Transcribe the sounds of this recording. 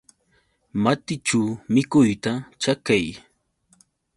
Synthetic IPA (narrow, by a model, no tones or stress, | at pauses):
mat̪ɪt͡ʃawmɪkʊjt̪at͡ʃakaj